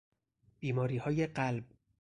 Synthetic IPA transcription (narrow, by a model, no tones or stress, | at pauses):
b̥iːmɒːɾiːhɒːjeɢælb̚